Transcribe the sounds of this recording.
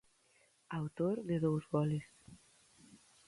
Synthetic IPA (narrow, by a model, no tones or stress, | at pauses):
awt̪oɾðeðowzβɔles